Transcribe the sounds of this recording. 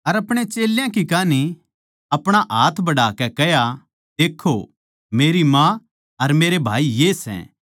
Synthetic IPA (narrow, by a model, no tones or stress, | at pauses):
ɐɾɐpɽ̃et͡ʃeːljãkikaːni | ɐpɽ̃aʔaːt̪ʰbɐɽaːkɛkɛja | d̪eːkʰːo | meːɾimã | ɐɾmeːɾebʱaːijeːsɛ̰̃